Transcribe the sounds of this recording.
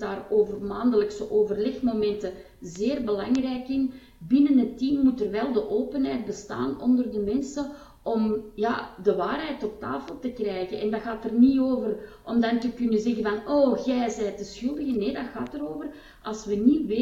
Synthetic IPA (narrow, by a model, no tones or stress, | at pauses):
daːroːvərmaːndələksəʔoːvərlɛxmomɛntə | zeːrbəlaŋrɛːjkɪn | bɪnənɦətːiːmːutərʋɛlˠdəʔoːpənɦɛjt̚bəsta̰ːnɔndərdəmɛnsə | ʔɔmja̰ːdəʋaːrɦɛjtɔp̚ta̰ːfəlˠtəkrɛjɣənʔɛndɑɣaːtərnioːvərʔɔmdɑntəkʏnənzɛɣənvɑnoːɣɛjzɛːtəsxʏlˠdəɣəneːdɑɣaːtəɾoːvər | ɑlˠsʋəniʋe